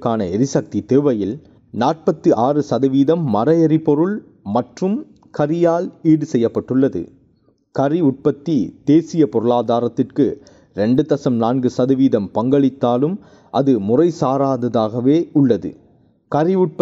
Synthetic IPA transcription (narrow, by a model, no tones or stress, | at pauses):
kːaːnɐɛɾɪsɐk̚t̪it̪eːʋɐjɪl | naːʈ̚pɐt̪ːɯʔaːrɯsɐðɐʋiːðɐmːɐɾɐjɐɾɪpɔɾɯɭ | mɐʈrɯm | kɐɾɪjaːliːɽɯsɛjːɐpːɐʈːɯɭːɐðɯ̰ | kɐɾiʊʈ̚pɐt̪ːid̪̥eːsɪjɐpɔɾɯɭaːðaːɾɐt̪ːɪrkɯ | ɾɛɳɖɯt̪ɐsɐmnaːnɡɯsɐðɐʋiːðɐmpɐŋɡɐɭɪt̪ːaːlɯm | ʔɐðɯmʊrɐɪsaːɾaːðɐðaːɣɐʋeːʊɭːɐðɯ̰ | kɐɾɪʊʈ̚p